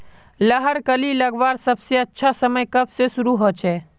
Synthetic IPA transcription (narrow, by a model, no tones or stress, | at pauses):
ləɦəɾkəliləɡʋaːɾsəbseətːʃʰasəməjkəbsesʊɾuɦot͡ʃʰɛː